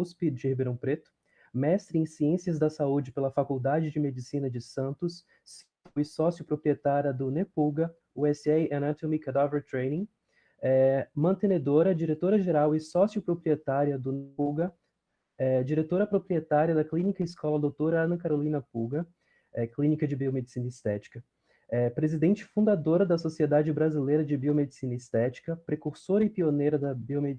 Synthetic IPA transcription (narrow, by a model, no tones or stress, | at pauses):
uspɪd͡ʒɪhibeɾɐ̃w̃pɾet̪ʊ̥ | mɛst̪ɾɪẽj̃siẽsiɐzd̪ɐsaud͡ʒɪpelɐfakuwd̪ad͡ʒɪd͡ʒɪmed͡ʒisĩnɐd͡ʒɪsɐ̃nt̪ʊs | sit̪ɪsɔsjʊpɾopɾiet̪aɾjɐd̪ʊnepuɡɐ | uɛsɛɪʔɐnat̪õmikad̪aveɾt̪ɾejnĩ | ɛmɐ̃nt̪ẽned̪oɾɐd͡ʒiɾet̪oɾɐʒeɾawɪsɔsiʊpɾopɾiet̪aɾiɐd̪ʊnepuɡɐ | ɛd͡ʒiɾet̪oɾɐpɾopɾiet̪aɾiɐd̪ɐklĩnikɐɪiskɔlɐd̪owt̪oɾɐɐ̃nɐ̃kaɾolĩnɐpuɡɐ | ɛklĩnikɐd͡ʒɪbiomed͡ʒisĩnɐist̪ɛt͡ʃi̥kɐ | ɛpɾezid̪ẽnt͡ʃɪ̥fũd̪ad̪oɾɐd̪ɐsosied̪ad͡ʒɪbɾazilejɾɐd͡ʒɪbiomed͡ʒisĩnɐist̪ɛt͡ʃi̥kɐpɾekuɾsoɾɐɪpionejɾɐd̪ɐbiomed͡ʒ